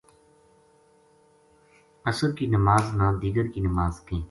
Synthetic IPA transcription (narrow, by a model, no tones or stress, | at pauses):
əsəɾkiːnəmaːznãːd̪iːɡəɾkiːnəmaːzk̪ẽː